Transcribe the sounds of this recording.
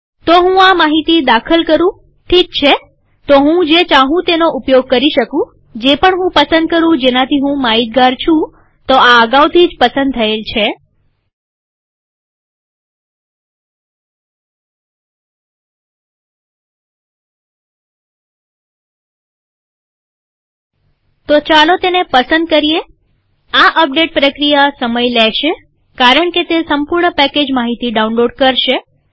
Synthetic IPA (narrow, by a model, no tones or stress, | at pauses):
t̪oɦũamaɦit̪id̪akʰəlkəɾũ | ʈʰik̚t͡ʃʰe | t̪oɦũd͡ʒet͡ʃãɦũt̪enoʔupjoɡ̚kəɾiʃəkũ | d͡ʒepəɳɦũpəsənd̪̚kəɾũd͡ʒenat̪ʰiɦũmaɦid̪̚ɡaɾt͡ʃʰũ | t̪oaəɡawt̪ʰid͡ʒpəsə̃nd̪̚t̪ʰəelt͡ʃʰe | t̪ot͡ʃalot̪enepəsənd̪̚kəɾije | aʔəp̚ɖeʈ̚pɾəkɾijasəməjlɛʃe | kaɾəɳ̃ket̪esəmpuɾɳəpɛked͡ʒmaɦit̪iɖaũnloɖkəɾʃe